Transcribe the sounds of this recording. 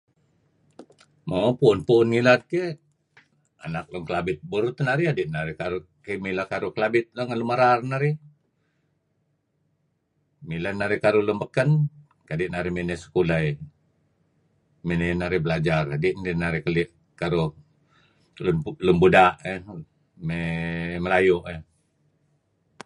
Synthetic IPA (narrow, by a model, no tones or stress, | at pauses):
mapuːnpunŋilat̪̚ke | a̰nak̚loŋkəlabɪt̪̚buɾut̪ənaɾiadiʔnaɾikaɾu | kemilakaɾukəlabɪt̪̚loŋanlumaɾarnaɾi | milanaɾikaɾulumbəkən | kadiʔnaɾiminɛsə̥kulaj | minɛnaɾibəlad͡ʒaradiʔnainaɾikəliʔ | kaɾu | llumbudaʔə | meməlajoʔə